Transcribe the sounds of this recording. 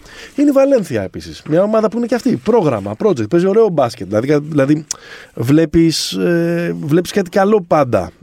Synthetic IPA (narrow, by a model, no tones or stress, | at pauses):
ineivɐle̞nθiɐe̞pisismɲɐo̞mɐðɐpuine̞ceɐft̪ipɾo̞ɣɾɐmɐ̰pɾo̞d͡zek̚t̪̚pe̞zio̞ɾe̞o̞bɐscet̪ðilɐðikɐðilɐðivle̞pisevle̞piskat̪i̥kɐlo̞pɐnd̪ɐ̰